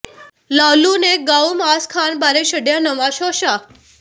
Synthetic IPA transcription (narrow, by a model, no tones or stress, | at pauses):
laluneɡawmaskʰanbaɾeʃəɖjanəʋaʃoʃa